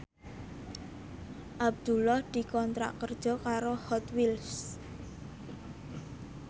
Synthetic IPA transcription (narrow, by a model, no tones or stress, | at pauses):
ʔab̚d̪̥ṳlɔhd̪̥i̤kɔnt̪ɾa̰ʔkərd̥ʒ̥ɔ̤kaɾohɔt̪wilfs